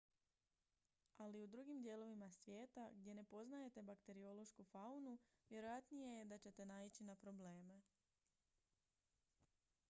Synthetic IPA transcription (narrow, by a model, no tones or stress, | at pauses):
aliud̪ɾuːɡimd̪je̞ːlo̞ʋimasʋje̞ːt̪aɡd̪je̞ne̞po̞znaje̞t̪e̞bakt̪e̞ɾio̞lo̞ʃkufaunuʋje̞ɾo̞jat̪nije̞jed̪at͡ɕe̞t̪e̞nait͡ɕinapɾo̞ble̞ːme̞